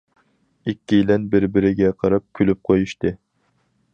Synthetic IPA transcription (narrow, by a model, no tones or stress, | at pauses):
ikʲːijlɛnbɪɾbɪɾɪɡʲɛqʰɑɾɑp̚kʲʰylyp̚qʰojuʃt̪ɨ